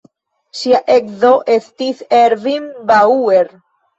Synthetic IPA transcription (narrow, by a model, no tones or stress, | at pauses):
ʃiaʔekzo̞ʔe̞stiseɾvinbaueɾ